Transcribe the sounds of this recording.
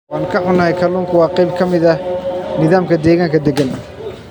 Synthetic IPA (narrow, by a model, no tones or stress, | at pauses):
wɑːnkʰɐħʊnɐhɛjkʰɐluːŋkʰʊwɑːqɛjb̚kʰɐmɪðɐnɪðaːmkʰɐd̪ɛːɣaːŋkʰɐd̪ɛɡɐn